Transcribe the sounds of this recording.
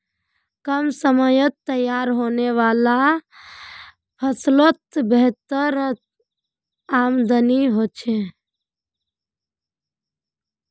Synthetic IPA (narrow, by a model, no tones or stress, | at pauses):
kəmsəməjət̪ːəjaɾɦoːneʋaːla | pʰəslot̪beɦt̪əɾ | aːmd̪ʱəniɦoːt͡ʃʰe